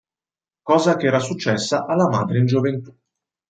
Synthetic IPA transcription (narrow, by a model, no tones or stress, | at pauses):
kɔːzakɛːɾasut͡ʃːɛsːaʔalːama̰ːd̪ɾeind͡ʒovent̪u̥